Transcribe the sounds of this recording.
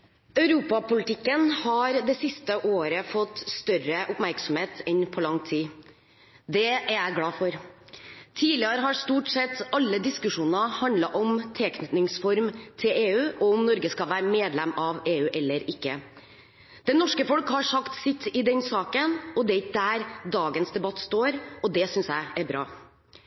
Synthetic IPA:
œʉɾuːpɑpʊlɪt̪ʰɪkːənhɑɾd̪ɛsɪst̪əʔoːɾəfɔt̪ːst̪œɾəʔʊpmæɾksɔmheːt̪ʰɛnpʰɔlɑŋt̪ʰiː | d̪ɛæɾæɪɡlɑːfɔɾ | t̪ʰiːlɪɑɾəɦɑʂt̪uːʈsɛt̪ːɑlːəd̪ɪskʉʂuːnəhɑnd̪lɑʔɔmt̪ʰeːknʏt̪nɪŋsfɔɾmt̪ʰɪleːʉːʔɔʊmnɔɾɡəskɑʋæːɾəmeːd̪lɛmɑʋeːʉːʔɛlːəɾɪkːə | d̪̥ɛnːɔʂkəfɔlkhɑʂɑkt̪sɪt̪ːɪd̪ɛnsɑːkənɔd̪ɛɾɪd̪æɾd̪ɑːɡənsd̪ɛbɑt̪ːst̪oːɾɔd̪ɛsʏnsjæɪæɾbɾɑː

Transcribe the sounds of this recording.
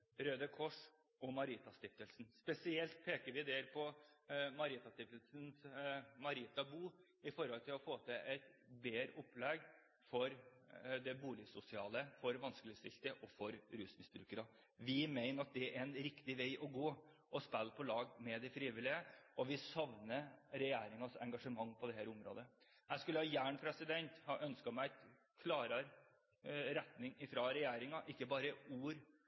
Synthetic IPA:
ɾøːd̪əkʰɔʂ | ɔmɑɾiːt̪ɑst̪ɪft̪əlsnspɛsɪɛlt̪̚pʰeːkəɾʋɪd̪eːɾpʰɔmɑɾiːt̪ɑst̪ɪft̪əlsn̩smɑɾiːt̪ɑbuː | ɪfɔɾhɔlt̪ʰɪlɔfoːt̪ʰɛɛɪt̪beːɾəʔʊpːlɛɡ | fɔɾd̪ɛbuːlɪsʊsɪɑːləfɔɾʋɑnsklɪəst̪ɪ̰lt̪əʔɔfɔɾɾʉːsmɪst̪ɾʉkʉɾɑ | ʋɪmæɪnəɾɑt̪̚d̪ɛæɾɛnɾɪkt̪ɪʋæɪʔɔɡoː | ʔɔspælpʰɔlɑːɡmɛd̪ɛfɾiːʋɪlɪəʔɔʋɪsɑʋnəɾɛjæːɾɪŋɑsɛ̰ŋɡɑʂəmɑŋːpʰɔd̪ɛhæːɾʊmɾo̰ːd̪ə | æɪskʉlːəhɑːjæːɳpʰɾɛsɪd̪ɛnt̪hɑʔœnskɑmæɪ | kʰlɑːɾɑɾ | ɾɛt̪nɪŋɪfɾɑɾɛjæːɾɪŋɑʔɪkːəbɑːɾəuːɾ

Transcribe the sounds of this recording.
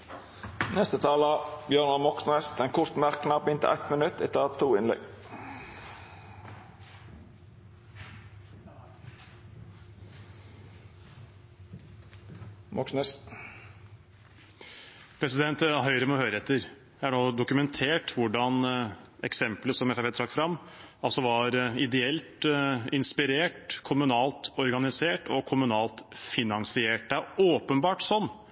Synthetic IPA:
nɛst̪ət̪ʰɑːlɑbjøːnɑlmɔksnøst̪ɛnkʰʊɾt̪mæɾknɑɾbɪnt̪ə̰ʔæ̰ɪt̪mənʉt̪ːɛt̪ʰːɑt̪ʰːuːɪnlɛ̰ɡ | mʔɔksnəs | pʰɾɛsɪd̪ɛnt̪ɦœʏɾəmɔhœʏɾəɛt̪ːəɾ | jææɖoːd̪ʊkʉmɛnt̪ʰeːʈʋʊɖɑnɛ̰ksɛmpləsɔmɛfæpeːt̪ʰɾɑkːfɾɑmː | ɑlsɔʋɑɾɪd̪ɛɛlt̪ɪnspɪɾeːʈkʰʊmʉnɑːlt̪ɔɾɡɑnɪseːʈɔkʰʊmʉnɑːlt̪fɪnɑŋsɪeːʈəoːpənbɑːʈsɔnː

